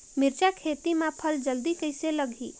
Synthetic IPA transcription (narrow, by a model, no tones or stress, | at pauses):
miɾt͡ʃakʰet̪imãpʰəld͡ʒəld̪ikəjseləɡʱi